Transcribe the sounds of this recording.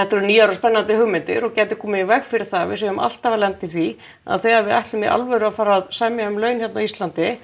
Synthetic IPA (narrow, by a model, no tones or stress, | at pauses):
ɛht̪ɛɾɾniːaɾɔspɛnːant̪ɪhʏːmɪnt̪ɪ̰ɾɔɣcɛːt̪ɪ̥kʰɔːmɪivɛɣfɪɾɪɾ̥θavɪ̰s̬œjʏmʔa̰l̥t̪avalɛnt̪ɪθi | a̰ðθɛjɣaɾvɪðajht̪lʏmia̰lvɛɾʏafaːɾaðsamjaʏmlœːɥnçjɛt̪naist̪lant̪ɪ